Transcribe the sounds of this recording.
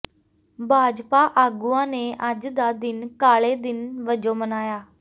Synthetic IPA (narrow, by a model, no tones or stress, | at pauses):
bʱaːd͡ʒpaːʔaːɡuːãːneːʔəd͡ʒd̪aːd̪ɪnkaːɭeːd̪ɪnʋəd͡ʒoːmənaːjaː